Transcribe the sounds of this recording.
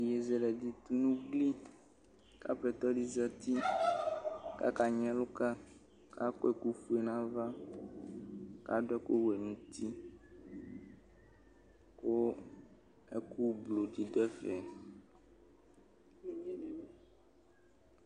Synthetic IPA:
je˨zɛ˨lɛ˨di˨t̪u˦nũ˦ɡli˦ | ka̰˦ɸɛ˨t̪ɔ˦ɖi˦zɛ˦t̪i˦ | ka̰˦ka˨ɲɛ̃˦lo˦ka˦ | ka˦kɔ˦e˨ku˦fu˦e˨nã˦va˦ | ka˦ɖo˦ɛ˦ko˦we˨nũ˨t̪ʰi˦ | ko˦ | e˦ku˦blo˨ɖi˨ɖɛ˦fɛ˨

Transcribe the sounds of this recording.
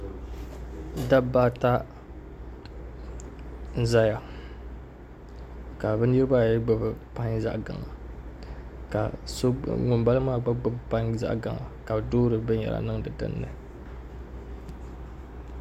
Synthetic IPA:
da˦baː˦ta˦ | za˦ja˨ | ka˨bɛ˦ni˦ɾɨ˦ba˦˨jɡ͡bɨ˦bɨ˨pa˦ŋza̰˦ʔɡa̰˨ŋa˨ | ka̰˨so˦ŋʊ˨mba˦lɨ˦maː˦ɡ͡ba˦ɡ͡bʊ˦bpa˦ŋza̰˦ʔɡa˨ŋa̰˨ka˨bdoː˦ɾɨ˨bɨ˦ɲ˦ɛ̰˨la̰˨nɨ˦ŋdɨ˨dɨ̰˦nːɨ̰˨

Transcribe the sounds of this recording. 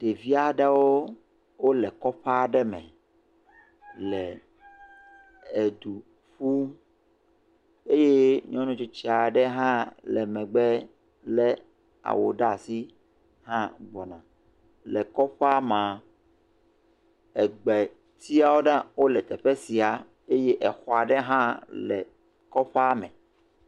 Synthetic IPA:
t̪e˨vi˦a˨ɖɛ˦wo˦ | wo˦lɛ˨kɔ˦ɸa˦ɖɛ˦mɛ̰̃˨ | lɛ˨ | e˨d̪u˨ | ɸu˦ | e˦je˦ɲḭ̃˦nũ˦t͡ʃu˦t͡ɕi˦a˨ɖɛ˦ɦã˦lɛ˨mɛ̃˨ɡ͡bɛ˦ | lɛ˦ | a̰˨wo˨ɖa˦si˦ | ɦã˦ɡ͡bɔ˨nã˨ | lɛ˨kɔ˦ɸa˦mã˨ | ɛ˨ɡ͡bɛ˨ | t̪ʰi˦a˨wo˦ɖã˦wo˦lɛ˨t̪ɛ˨ɸɛ˦si˨a˨ | e˦je˦ʔɛ˨xɔ˨a˨ɖɛ˦ɦã˦lɛ˨ | kɔ˦ɸa˦mɛ̃˨

